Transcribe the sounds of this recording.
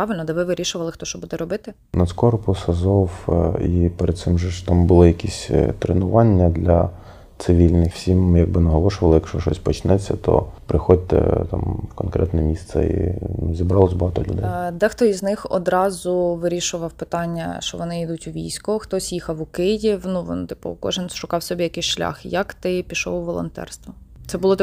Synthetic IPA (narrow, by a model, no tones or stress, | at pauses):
pɑʋɪlʲnɔd̪ɛʋɪʋɪɾʲiʃʊʋɐlˠɪxt̪ɔʃt͡ʃɔbud̪ɛɾɔbɪt̪ɪ | nɐskɔɾpʊsɐzɔwipɛɾed̪̚sɪmʒɛt̪ɑmbʊlˠɪjɐkʲisʲt̪ɾenʊʋɑnʲːɐd̪lʲɐ | t̪sɪʋʲilʲnɪxwsʲimjɐɡ̚bɪnɐɦɔlˠɔʃʊʋɐlˠɪjɐkʃt͡ʃɔʃɔsʲpɔt͡ʃnɛt͡sʲːɐt̪ʰɔ̰pɾɪxɔd̚ʲt̪ɛ̰t̪ɑ̰mwkɔnkɾʔɛt̪nɛmʲist̪sɛ̰ḭzʲibɾɑlˠɔsʲbɔɦɑt̪ɔlʲʊ̰d̪ɛ̰jd̪ɛxt̪ɔiznɪxɔ̰d̪ɾɑzʊʋɪɾʲiʃʊʋɐwpɪt̪ɑnʲːɐ̰ʃt͡ʃɔʋɔnɪid̪utʲʊʋʲijsʲkʊxt̪ɔsʲjixɐwʊkɪjiwnuʋɔ̰nt̪ɪ̥pʊ̰kɔ̰ʒɪnʃʊkɑwsʲɔbʲijɐkɪjʃlʲa̰xjɐkt̪ɪpʲiʃɔ̰wʊʋɔlˠɔ̰nt̪ɛ̰rst̪ʋɐt̪sɛbʊlˠɔt̪